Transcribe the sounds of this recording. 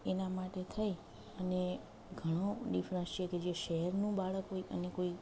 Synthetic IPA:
enamaʈet̪ʰaj | əne | ɡʱəɽ̃õɖifɾə̃nst͡ʃʰeked͡ʒeʃəɦɛɾnũbaɭəkɦojə̰nekoi

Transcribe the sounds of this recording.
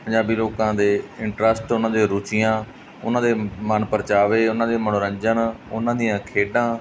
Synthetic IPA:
pəɲd͡ʒaːbiːloːkãːd̪eːɪɳʈɾəsʈʊnãːd̪eːɾʊt͡ʃɪjãː | ʊnãːd̪eːmənpəɾt͡ʃaːʋeːʊnãːd̪eːmənoːɾəɲd͡ʒənʊnãːd̪ɪjãːkʰeːɖãː

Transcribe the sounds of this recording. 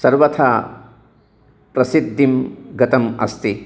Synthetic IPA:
sɐɾbɐt̪ʰa | pɾɐsid̪d̪imɡɐt̪ɐmɐ̰st̪i

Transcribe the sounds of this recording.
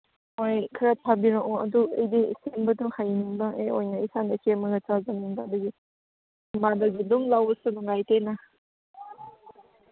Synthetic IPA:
ojkʰɾatʰabiɾaŋuɐ̰duejdisembɐtuŋhajniŋbaejojnɐisandakʰemɐɡɐt͡ʃazamiŋbaduɡi | madɐɡiduŋlawsɯnuŋajtena

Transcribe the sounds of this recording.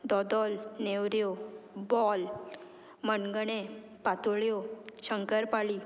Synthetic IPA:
d̪ɔd̪ɔlnewɾjobɔl | mənɡəɳe | pat̪uɭjoɕəŋkəɾpaliː

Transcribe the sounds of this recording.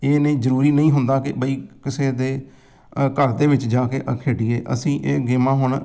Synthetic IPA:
eːnẽːzəɾuːɾiːnəĩːɦʊnd̪aːkɪbəiːkɪseːd̪eː | kəɾd̪eːʋɪt͡ʃd͡ʒaːkeːʔkʰeːʈiːeːʔə̰sĩːʔeːɡɪːmãːɦʊɳ

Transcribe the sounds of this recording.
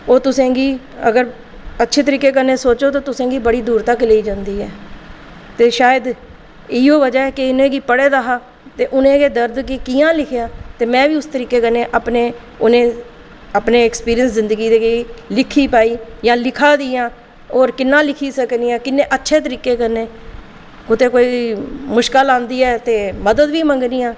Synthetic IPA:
oːt̪ʊsẽːɡiː | ə̰ɡəɾ | ətːʃʰeːt̪əɾiːkeːk̬əɾneːsoːt͡ʃoːt̪õːt̪ʊsẽːɡiːbəɽiːd̪uːɾt̪əkːleːiːd͡ʒãːnd̪iːɛː | t̪eːʃaːjəd̪ | ɪiːoːʋəd͡ʒaːɛːkɪʊnẽːɡiːpəɽeːd̪aɦaː | t̪eːʔʊnẽːɡeːd̪əɾd̪kikiːãːlɪkʰjaːt̪eːmɛ̃ːʋiːʊst̪əɾiːkeːkənẽːʔapneː | ʊnẽː | apneːɛkspiːɾijənszɪnd̪əɡiːd̪eːɡeiːlɪkʰːiːpaːiːjãːlɪkʰaːd̪iːãː | oːɾkɪnːãːlɪkʰiːsəkniːjãːkɪnːẽːʔətːʃʰeːt̪̬əɾiːkeːkəɾnẽː | kʊt̪eːkoːiːmʊʃkəlãːnd̪iːɛːt̪eːməd̪əd̪ʋiːməŋɡniːãː

